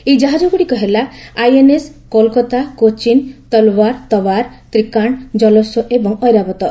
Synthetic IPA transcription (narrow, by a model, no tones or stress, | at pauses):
ejd͡ʒaɦad͡ʒoɡuɽikɔɦelaajeneskɔlkɔt̪akot͡ʃint̪ɔlɔwaɾt̪ɔwaɾ | t̪ɾikaɳ̃d͡ʒɔlɔsɔʔebɔŋɔjɾabɔt̪ɔ